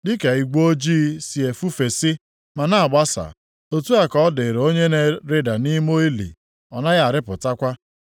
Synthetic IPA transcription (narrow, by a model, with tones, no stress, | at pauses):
dɪ˦ke˨i˨ɡʷo˦o˦d͡ʒiː˦si˨e˨fu˦fe˨sɪ˦ | ma˨na˦a˨ɡ͡ba˦sa̰˨ | o˨tu˦a˦kɔ˦dɪ˨ɾo˦ɲe˦ne˨ɾe˦da˨ni˦mo˦i˦lḭ˨ | ɔ˨na˦ɣa˦˨ɾɪ˦pʊ˨ta˦kʷa˦